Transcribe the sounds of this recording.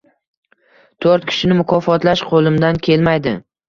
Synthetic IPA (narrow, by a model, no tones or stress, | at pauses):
t̪ʰoɾt̪̚kʲʰɪ̥ʃɪnɪmʊkʰɒfɒt̪laʃqʰolˠɪmd̪ankʲʰe̞lmajd̪ɪ̰